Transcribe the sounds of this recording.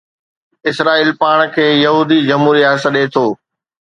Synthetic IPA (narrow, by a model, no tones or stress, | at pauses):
ɪsɾaːiːlpaːɽ̃kʰeːjɐɦuːd̪id͡ʑɐmɦuːɾijaːsəɗeːt̪ʰoː